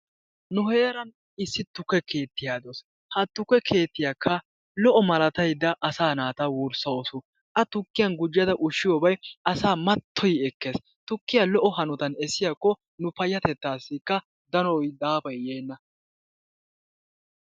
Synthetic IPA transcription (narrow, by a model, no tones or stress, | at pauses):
nʊhe̞ːɾɐn | ɪsːɪt̪ːʊkːɛke̞ːt̪ːɪjaːd̪oːs | hɐt̪ːʊkːɛkʰe̞ːt̪ːɪjaːkʰːɐ | lɔʔɔmɐlɐt̪ɐjd̪ːɐʔːsaːnaːt̪ɐwuɾsɐosʊ | ʔɐt̪ʊkːɪjɐnɡʊd͡ʒːɪjɐd̪ɐʔʊʃːɪjɔːbɐjɐsaːmɐt̪ʰːɔjɛkːe̞ːs | t̪ʊkːɪjɐlɔʔɔhɐnɔt̪ɐnɛsɪjaːkːɔ | nʊpɐjːɐt̪ɛt̪ːaːsːɪkːɐ | d̪ɐnɔjd̪aːfɐjːeːnːɐ